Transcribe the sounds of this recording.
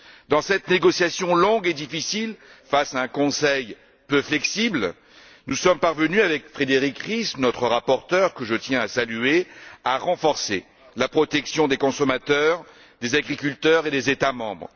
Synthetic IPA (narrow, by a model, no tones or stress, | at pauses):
d̪ɑ̃sɛt̪neɡɔsjasjɔ̃lɔ̃ɡed̪ifisilfasaɛ̃kɔ̃sɛj | pøflɛksibl | nusɔmpaʁvənyavɛkfχed̪eʁikχisnɔt̪χəʁapɔʁt̪œʁkəʒət̪jɛ̃asalyeaʁɑ̃fɔʁse | lapχɔt̪ɛksjɔ̃d̪ekɔ̃sɔmat̪œʁ | d̪ezaɡʁikʲylt̪œʁed̪ezet̪amɑ̰̃bʁ